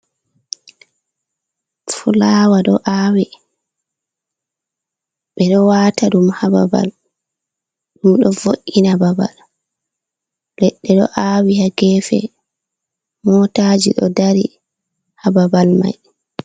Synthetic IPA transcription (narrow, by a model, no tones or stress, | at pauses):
fulaːwaɗɔʔawi | ɓɛɗɔwaːtaɗumhababa̰l | ɗumɗɔvoʔːinababa̰l | lɛɗːɛɗɔ̰ʔawihaɡɛːfɛ̰ | mɔtad͡ʒḭɗɔdaɾi | hababalma̰j